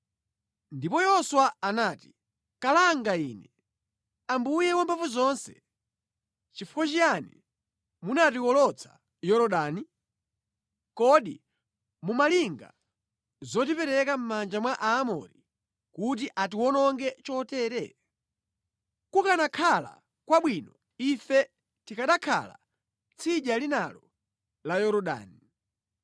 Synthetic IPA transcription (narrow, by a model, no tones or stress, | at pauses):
ndipɔjɔswaanaːti̥ | kalaŋɡaiːnɛ | ambujɛwambʰafuzɔnsɛ̥ | t͡ʃifuwat͡ʃijanḭ | munatiwɔlɔt͡sʰḁ̰ | jɔɾɔɗaːni | kɔɗḭ | mumaliŋɡa̰ | zɔtipɛɾɛkam̩mand͡ʒamwaʔaːmɔ̰ɾi | kut̬iʔatiwɔnɔŋɡɛt͡ʃɔtɛːɾɛ | kukanakʰala̰ | kwaɓwinɔ | ifɛ | tikaɗakʰa̰la̰ | t͡sʰiʄalinalɔ | lajɔɾɔɗa̰ːni